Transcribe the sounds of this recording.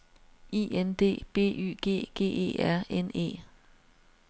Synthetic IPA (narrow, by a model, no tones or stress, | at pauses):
iːend̥e̝̰ːb̥e̝̰ːy̰ːɡ̥e̝̰ːɡ̥e̝̰ːe̝̰ːæɐ̰ene̝̰ː